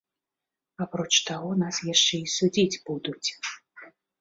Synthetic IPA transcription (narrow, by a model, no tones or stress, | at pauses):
apɾɔt͡ʂt̪aɣɔnasjaʂt͡ʂɛisud͡zʲid͡zʲbud̪ut͡sʲ